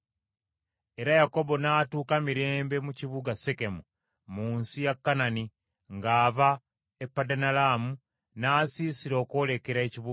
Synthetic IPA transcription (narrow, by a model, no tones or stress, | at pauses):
e̞ɾajako̞bo̞naːtuːkamiɾe̞ːmbe̞muciβuɡaseke̞mu | muːnsijakːanani | ŋɡaːβa | epːadanalaːmu | naːsiːsiɾo̞ːko̞ːle̞ke̞ɾaeciβu